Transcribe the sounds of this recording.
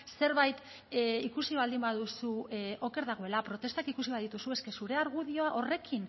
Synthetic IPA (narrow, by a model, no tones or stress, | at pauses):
se̞ɾβajt̪ | ikusiβald̪imbaðusuʔo̞ke̞ɾðaɣo̞e̞lapɾo̞t̪e̞st̪akikusiβaðit̪usue̞ske̞suɾe̞aɾɣuðio̞aʔo̞re̞kʰin